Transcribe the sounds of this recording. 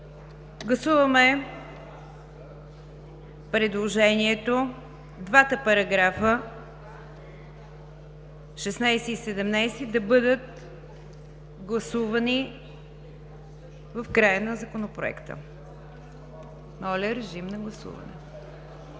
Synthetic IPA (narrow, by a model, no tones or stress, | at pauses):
ɡlˠɐsuvəmɛ | pɾɛd̪lˠoʒɛniɛt̪o | d̪vat̪əpɐɾɐɡɾafə | ʃɛsnajsɛisɛd̪ɛmnajsid̪ɐbɤd̪ət̪̚ | ɡlˠɐsuvɐni | vəfkɾajənɐzəkonopɾoɛ̰kt̪ə̰ | nɔlʲɛɾɛʒimnɐɡlˠɐsṵvɐ̰nɛ̰